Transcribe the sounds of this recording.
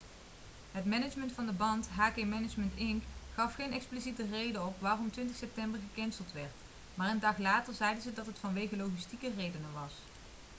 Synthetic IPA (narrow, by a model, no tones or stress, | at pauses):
ɦətmɛnət͡ʃməntfɑndəbɑntɦaːkemɛnət͡ʃməntɪŋkχɑfχejnɛksplisitərejdəɔpʋaːrɔmtʋɪntɪxsɛp̚tɛmbəɹχəkɛnsəlˠtʋɛɹt | maːrəndɑχlaːtəɹzɛjdəzədɑtɦətfɑnʋejɣəlowχistikərejdənənʋɑs